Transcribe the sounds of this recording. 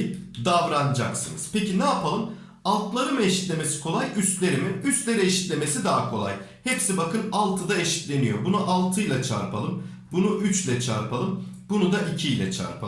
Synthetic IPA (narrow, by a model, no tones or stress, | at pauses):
d̪avɾanɯd͡ʒaksɯnɯz̥pecinɛapʰalˠɯm | alˠt̪lˠaɾɯmɯeʃi̥t̪lʲe̞me̞si̥kʰo̞lˠajyst̪lʲe̞ɾimiyst̪lʲeɾeʃi̥t̪lʲe̞me̞sid̪aɦakʰo̞lˠa̰j | hɛpsibakʰɯnalˠt̪ʰɯd̪aeʃi̥t̪lʲe̞nijo̞bunuʔalˠt̪ʰɯjlˠat͡ʃʰa̰ɾpʰalˠɯm | bunuʔyt͡ʃlʲɛt͡ʃʰa̰ɾpʰalˠɯmbunud̪aʔicʰijlʲɛt͡ʃʰa̰ɾpʰalˠ